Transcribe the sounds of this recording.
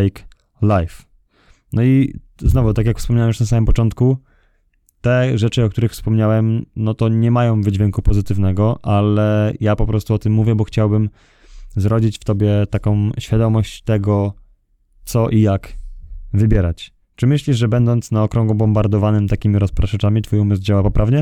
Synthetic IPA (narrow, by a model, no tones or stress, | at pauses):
ɛjk | lajf | nɔi | znɔvut̪akʲjakfspɔmɲawɛmjuʂnasamɘmpɔt͡ʂɔnt̪ku | t̪ɛʐɛt͡ʂɘɔk̚t̪uɾɘxfspɔmɲawɛmnɔt̪ɔɲɛmajɔ̃w̃vɘd͡ʑvʲjɛŋkupɔzɘt̪ɘvnɛɡɔʔalɛjapɔpɾɔst̪uɔt̪ɘmːuvʲjɛbɔxt͡ɕawbɘm | zɾɔd͡ʑit͡ɕft̪ɔbʲjɛt̪akɔ̃w̃ɕfʲjad̪ɔmɔɕt͡ɕt̪ɛɡɔ | t̪sɔʔijak | vɘbʲjɛɾat͡ɕ | t͡ʂɘmɘɕlʲiʐʐɛbɛnd̪ɔnt̪snaɔkɾɔ̃ŋɡubɔmbaɾd̪ɔvanɘmt̪akʲimʲiɾɔspɾaʂɛt͡ʂamʲit̪fujumɘsd͡ʑawapɔpɾʔavɲɛ